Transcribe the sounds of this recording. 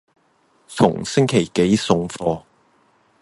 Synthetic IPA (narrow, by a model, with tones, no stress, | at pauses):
t͡sʰʊ̰˨˩ŋsɪ˥ŋkʰe˨˩jke˨˥jsʊ˧ŋfɔː˧